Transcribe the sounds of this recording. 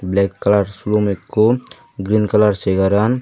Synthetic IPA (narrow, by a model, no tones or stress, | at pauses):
blɛkːalaɾsulumekːo | ɡɾinkalaɾseɡaɾan